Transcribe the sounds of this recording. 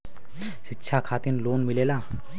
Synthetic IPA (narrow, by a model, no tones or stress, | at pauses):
sɪtːʃʰakʰaːt̪inloːnmɪleːlaː